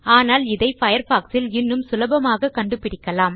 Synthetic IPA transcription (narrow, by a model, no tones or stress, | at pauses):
aːnaːlɪðɐɪfɐjɐɾfaːksɪlɪnːɯmsʊlɐbɐmaːɣɐkːɐɳɖɯpɪɽɪkːɐlaːm